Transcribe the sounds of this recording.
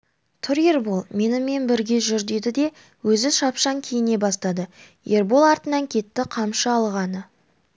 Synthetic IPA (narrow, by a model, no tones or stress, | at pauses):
t̪ʰʊɾje̞ɾbolˠme̞nɪme̞nbɪɾɡʲe̞ʒʏɾd̪ed̪ɪd̪e̞ | wɵzɪʃɑpʃɑŋkʲʰe̞jɪne̞bɑst̪ɑd̪ə | je̞ɾbo̞lˠɑɾt̪ənɑŋkʲʰe̞t̪ːɪqʰɑmʃəɑlˠʁɑnə